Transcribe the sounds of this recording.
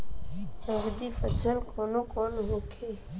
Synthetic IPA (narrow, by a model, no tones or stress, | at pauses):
hə̃ŋɡd̪iːfəsəlkʰoːnoːkoːnɦoːkʰeː